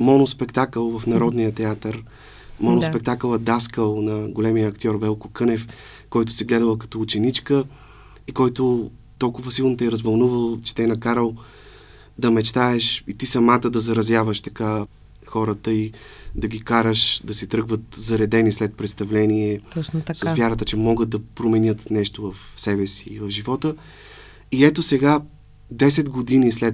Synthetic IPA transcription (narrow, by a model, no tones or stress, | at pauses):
mɔnospɛkt̪akəlˠvəfnɐɾɔd̪nijət̪ɛat̪əɾ | mɔnospɛk̚t̪aklˠəd̪askəlˠnɐɡolɛmijəːkt̪ʲɔɾvɛlˠkokɤnɛf | kɔjt̪ʊ̥sɛɡlɛd̪əlˠəkɐ̥t̪ɔːt͡ʃɛnit͡ʃkə | ikɔjt̪ʊ | t̪ɔlˠkʊvəsilˠnot̪ɛɛɾɐzvɐlˠnuvəlˠt͡ʃɛ̥t̪ɛɛnɐkaɾəlˠ | d̪ɐmɛt͡ʃt̪aɛʃit̪isɐmat̪əd̪ɐzɐɾɐzʲjavəʃt̪ɐka | xɔɾət̪əid̪ɐɡʲikaɾəʃd̪ɐsɛt̪ɾɤɡvət̪zɐɾɛd̪ɛnislɛt̪̚pɾɛt̪st̪ɐvlɛniɛɔsɐsvjaɾət̪ət͡ʃɛmɔɡət̪̚d̪ɐpɾomɛnjɤt̪nɛʃt̪ovɐfsɛbɛsiːvɐvʒivɔt̪ə | iɛt̪osɛɡa | d̪ɛsɛd̪ɡod̪inislɛ